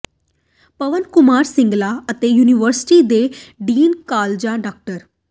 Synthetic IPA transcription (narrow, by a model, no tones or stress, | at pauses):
pəʋənkʊmaːɾsɪ̃ŋɡlaːət̪eːjuːniʋəɾsɪ̥ʈiːd̪eːɖiːnkaːld͡ʒãːɖaːk̚ʈəɾ